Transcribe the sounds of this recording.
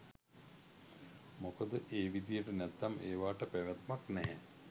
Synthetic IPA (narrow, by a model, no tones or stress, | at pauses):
mokəd̪əʔeːʋid̪ijəʈənɛt̪ːamʔeːʋaːʈəpæʋat̪maknɛɦɛ